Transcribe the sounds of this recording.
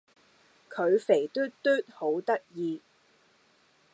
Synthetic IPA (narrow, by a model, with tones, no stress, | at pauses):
kʰɵ˨˧ɥfe˨˩jt̪yː˥tt̪ːyː˥t̚ho˨˥wt̪ɐ˥k̚jiː˧